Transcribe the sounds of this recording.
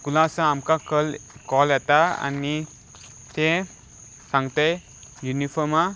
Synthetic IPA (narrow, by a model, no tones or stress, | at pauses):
kulãsãamkaklkɔlet̪aa̰ni | t̪e | saŋt̪aj | junipʰɔma